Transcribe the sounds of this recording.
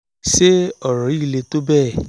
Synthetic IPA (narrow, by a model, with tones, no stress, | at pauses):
ʃe˦ɔ˦˨ɾɔ̃˨i˦˨le˧to˦bɛ˦˨